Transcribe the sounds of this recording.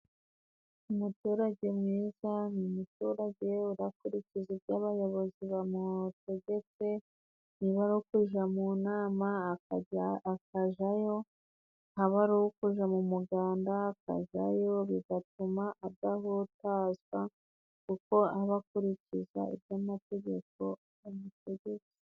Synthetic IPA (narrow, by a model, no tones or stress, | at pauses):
umutuːɾaɟe̞mŋiːzanimutuɾaɟe̞uɾakuɾicizibjaːβajo̞βo̞ziβamute̞ɟe̞t͡se̞ | niβaɾuokuʒamunaːma | kaʒajo̞ | haβaɾuwukuʒamumuɡaːndaːka̰ʒa̰jo̞βiɡatumaʔadaɦotaːzɡwa | kuko̞aβakuɾiciza̰ḭbjamate̞ɟe̞k̚o̞ | mumute̞ɟe̞t͡se̥